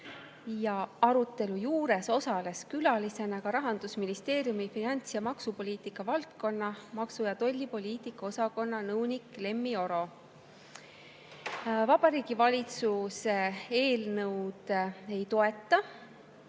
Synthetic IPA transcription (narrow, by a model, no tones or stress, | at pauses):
jɑɑɾut̪ˑːe̞lujuːɾe̞so̞sɑle̞skylɑlise̞nɑkɑɾɑɦɑnd̪̥usminist̪e̞ːɾjumifinɑnʲt̪sjɑmɑksupo̞lʲiːt̪ˑikˑːɑvɑlt̪ko̞nːɑmɑksujɑt̪o̞lʲːipo̞lʲiːt̪ˑikːˑɑo̞sɑko̞nːɑnɤwnʲikːˑle̞mːio̞ɾo̞ | vɑb̥ɑɾiːɡ̥ivɑlʲit̪susee̞ːlnɤwd̪̥e̞jt̪o̞e̞t̪ːˑɑ